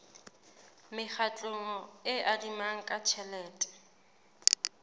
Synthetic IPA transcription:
mɪk͡xʰat͡ɬʼʊŋɔɪʔadimaŋ̩kʼat͡ʃʰɛlɛːtʼɛ̥

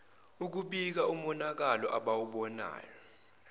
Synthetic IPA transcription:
uk̬uɓik̬aum̩ɔnak̬alɔʔaɓawuɓɔna̰ːjɔ

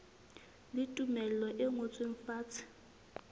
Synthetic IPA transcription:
lɪtʼumɛlɔʔɛŋot͡sʼweɱ̩faːt͡sʰʼɪ̥

